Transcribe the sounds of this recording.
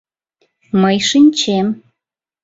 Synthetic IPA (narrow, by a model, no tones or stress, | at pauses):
məjʃinʲt͡ɕem